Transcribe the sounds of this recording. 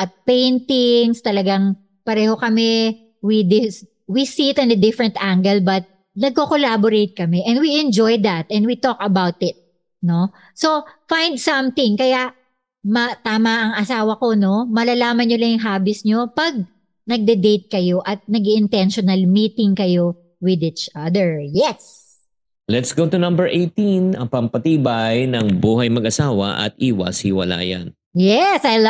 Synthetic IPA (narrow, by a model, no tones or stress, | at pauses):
ʔɐt̪̚pẽjnt̪ɪŋst̪ɐlɐɡaŋ | pɐɾɛːho̞kɐmɛ | wid̪ɪ | wisiɪt̪ɪ̃nɐd̪ɪfɹɛ̃nt̪ʔaŋɡɛlbɐt̪̚ | nɐɡ̚kokolaboɾejt̪̚kɐmɛʔɛnd̪̚wiɛ̃nd͡ʒojd̪ɐt̪ʔɛnd̚wit̪okɐbawt̪ɪt̪̚ | no̞ | sofajnd̪sɐmθɪ̃ŋkɐjaʔ | mɐt̪aːmɐʔɐŋɐsaːwɐko̞no̞mɐlalaːmɐnɲolɐŋjʊŋɦaːbɪsɲo̞pɐɡ̚ | nɐɡ̚d̪ɛd̪ejt̪̚kɐjo̞ʔɐt̪̚nɐɡiʔɪnt̪ɛnʃonɐlmiːt̪ɪŋkɐjo̞ | wɪd̪it͡ʃɐd̪ɛɹjɛs | lɛt̪sɡowt̪unɐ̃mbɛɹʔejt̪ĩnɐ̰ŋpɐmpɐt̪iːbɐjnɐŋbuːɦɐjmɐɡʔɐsaːwɐ̰ʔɐ̰t̪̚ʔiːwɐ̰shɪwɐ̰la̰ːjɐ̰n | jɛsajl